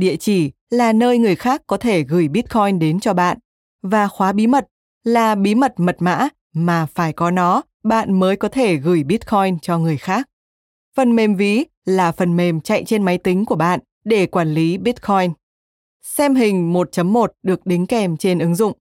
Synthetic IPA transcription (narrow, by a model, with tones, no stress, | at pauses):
ɗḭ˧˨ət͡ɕi˧˩ | laː˨˩nəː˧jŋɨ˨˩əjxaː˦˥kːɔ˨˦t̪ʰe˧˩ɣɨ˧˩jɓi˦˥t̚kʰɔ˧jnɗe˨˦nt͡ɕɔ˧ɓa̰ː˧˨n | vaː˨˩xwaː˨˦ɓi˨˦mə˨˩t̚ | laː˨˩ɓi˨˦mə˨˩t̚mə˨˩t̚ma̰ː˧˥ | maː˨˩faː˧˩jkɔ˨˦nɔ˨˦ | ɓa̰ː˧˨nməː˨˦jkɔ˨˦t̪ʰe˧˩ɣɨ˧˩jɓi˦˥t̚kʰɔ˧jnt͡ɕɔ˧ŋɨ˨˩əjxaː˦˥k̚ | fə˨˩nme˨˩mvi˨˦ | laː˨˩fə˨˩nme˨˩mt͡ɕa̰˧˨jt͡ɕe˧nma˨˦jt̪ï˨˦ŋ̟ku˧˩əɓa̰ː˧˨n | ɗe˧˩kwaː˧˩nli˨˦ɓi˦˥t̚kʰɔ˧jn | sɛ˧mɦï˨˩ŋ̟mo˨˩t̚t͡ɕə˨˦mːo˨˩t̚ɗɨ˨˩ək̚ɗï˨˦ŋ̟kɛ˨˩mt͡ɕe˧nʔɨ˨˦ŋzʊ̰˧˨ŋ͡m